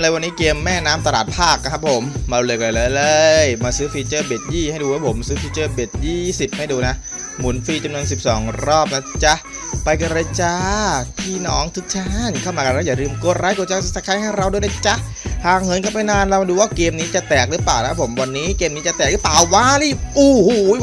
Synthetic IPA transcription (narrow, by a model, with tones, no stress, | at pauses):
lɤː˧˩jwa˧nːiː˦˥keː˧mːɛː˥˩naː˦˥mt̪a˧la̰ː˨˩t̪̚pʰaː˥˩k̚ːa˧kʰa˦˥pʰːo˩˦mːaː˧lu˧le˨˩kla˨˩jlɤː˧lɤː˧jmaː˧sɯː˦˥fi˧t͡ɕɤː˥˩beː˨˩t̪̚jiː˥˩ha˥˩jduː˧waː˦˥˩pʰo˩˦msɯː˦˥fiː˧t͡ɕɤː˥˩beː˨˩t̪̚jiː˥˩si˨˩p̚ha˥˩jduː˧na˦˥ʔ | mu˩˦nfiː˧t͡ɕa˧mnu˧ənsi˨˩p̚sɔ̰ː˩˦ŋɾɔː˥˩p̚na˦˥t͡ɕa˦˥ | pa˧jka˧ɾa˧t͡ɕaː˧t̪ʰiː˧˥˩nɔː˦˥ŋt̪ʰɯ˦˥k̚t͡ɕʰaː˦˥nkʰa˥˩wmaː˧ka˧nɾa˦˥˩jaː˨˩ɾɯː˧mko˧˩t̚ɾaː˦˥jkoː˧˩t͡ɕa˧˥˧sa˧˩kʰaː˧˥jha˥˩jɾa˧wdu˧˥˨na˧˩t͡ɕa˦˥ | haː˨˩k̚ŋɤ˨˦nkaː˥˩pa˧jnaː˧nɾa˧wduː˧waː˥˩keː˧mniː˦˥t͡ɕa˨˩t̪ɛː˨˩k̚lɯː˦˥plaː˨˩wn˦kʰa˥pʰːo˩˦mwa˧nːiː˦˥keː˧mniː˦˥t͡ɕa˨˩t̪ɛː˨˩k̚lɯ˦˥plaː˨˩wwaː˦˥li˥˩ʔuː˧˩huː˧˩˦